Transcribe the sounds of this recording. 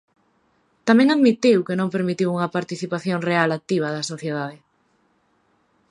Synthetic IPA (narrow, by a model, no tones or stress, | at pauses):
t̪amɛ̃ŋaðmit̪iwkenõŋpeɾmit̪iwuŋɐpaɾt̪iθipaθjoŋrealak̚t̪iβ̞ɐðɐsoθjeðaðɪ